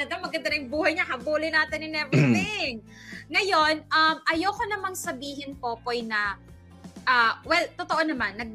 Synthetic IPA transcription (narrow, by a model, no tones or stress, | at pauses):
ɐd̪ɐmɐɡɐnd̪ɐɾɪjŋbuːhɐjɲɐhɐbuːlɪjnaːt̪ɪnɪnɛvɪt̪ɪŋ | ŋɐjo̞nɐmʔɐjokonɐmɐŋsɐbiːɦɪnpo̞ːpo̞jnɐ | ʔaːwɛlt̪ot̪oʔonɐmanːɐɡ̚